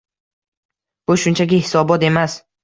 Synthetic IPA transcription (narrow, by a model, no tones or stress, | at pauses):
b̥ʊʃʊnt͡ʃʰaɡʲɪhɪsɒbɒt̪e̞mas